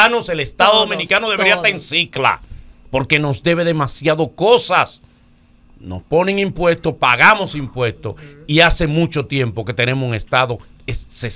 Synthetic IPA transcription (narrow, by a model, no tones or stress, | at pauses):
nose̞lest̪aðoðomĩnikanoðeβeɾiat̪aɾensikla̰po̞ɾke̞no̞zd̪e̞βe̞ðe̞masjaðo̞kosas | no̞̰spo̞ne̞ŋimpwe̞st̪o̞paɣamo̞simpwe̞st̪oiase̞mũt͡ʃo̞t̪je̞mpo̞ke̞t̪e̞ne̞mosuŋe̞st̪aðo̞ | esses